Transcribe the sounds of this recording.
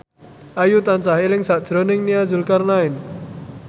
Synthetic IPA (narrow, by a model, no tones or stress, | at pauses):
ʔajut̪ant͡ʃaɦilɪŋsaʔ̚d͡ʒ̥ɾɔnɪŋniazʊlkarnaɪn